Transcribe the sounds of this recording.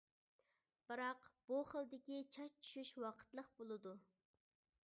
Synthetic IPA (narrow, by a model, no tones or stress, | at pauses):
b̥ɨɾɑqb̥uχəlˠd̪ɪkʲit͡ʃʰɑʃt͡ʃʰy̥ʃyʃwɑqʰə̥t̪lˠəqbolˠɨd̪u